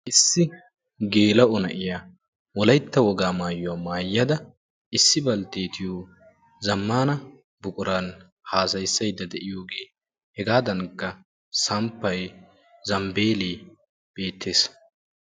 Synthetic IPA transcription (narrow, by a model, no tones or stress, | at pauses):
ʔɪsːɪ | ɡe̞ːlɐʔʊnɐʔɪja | wɔlɐjt̪ːɐwɔɡaːmaːjʊwaːmaːjːɐd̪ɐ | ʔɪsːɪbɐlt̪eːt̪ʰɪjoː | zɐmːaːnɐ | bʊkʼʊɾan | haːsɐjsːɐjd̪ɐd̪ɛʔɪjoːɡe̞ː | hɛɡaːd̪ɐŋkːɐ | sɐmpːɐj | zɐmbe̞ːleː | b̥e̞ːt̪ʰːe̞ːs